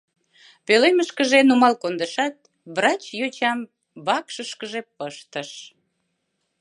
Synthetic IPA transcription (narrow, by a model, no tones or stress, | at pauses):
peleməʃkəʒenumɑlkond̪əʃɑt̪̚ | βrɑt͡ɕjot͡ɕɑm | βɑkʃəʃkəʒepəʃt̪əʃ